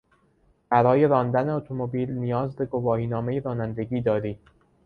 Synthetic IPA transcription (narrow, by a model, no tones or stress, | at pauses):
b̥æɾɒːje̞ɾɒːnd̪æneot̪ʰomobiːlnijɒːzbe̞ɡo̞vɒːhiːnɒːme̞jeɾɒːnænd̪e̞ɡiːd̪ɒːɾiː